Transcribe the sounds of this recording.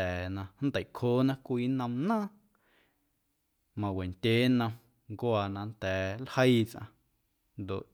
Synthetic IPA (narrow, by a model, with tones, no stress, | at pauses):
ɛː˨nã˧n̩˦d̪ə˨kʰoː˦nã˦kʷiː˦nə̃˧mnãː˦ | mã˧we˨nt̪ʲeː˨˦nə̃˧m | ŋkwaː˧nã˧nt̪ɛː˨lhə˦jt͡sʔã̰˧ | nd̪o̰˨ʔ